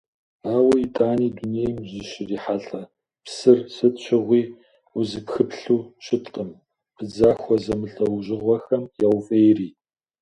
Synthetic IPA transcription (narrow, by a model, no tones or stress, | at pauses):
aːwɐitʼaːniːdunejmzɨɕriːħaːɬɐ | psɨrsɨtɕʷʰɪʁʷiː | uzɨpxɨpɬuːɕʰɪtʼqʼəm | pʰɨd͡zaːxʷɔzɐmɨɬɐwʒɪʁʷɔxɐmjawfʼejriː